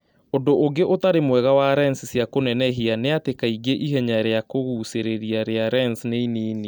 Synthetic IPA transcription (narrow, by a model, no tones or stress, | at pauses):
ondoʔoɡeʔotaɾemwɛɣawaɾɛnsisjakonɛnɛɦianeatekaiɡeʔiɦɛɲaɾeakoɣuːseɾeɾiaɾeaɾɛnsneiniːni